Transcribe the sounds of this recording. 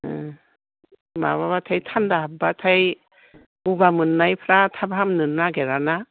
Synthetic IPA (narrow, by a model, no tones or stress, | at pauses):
ma̰βaβatʰajtʰandaɦab̚batʰaj | ubamɯnːajpʰɾatʰabaɦamnɯnːaɡeɾana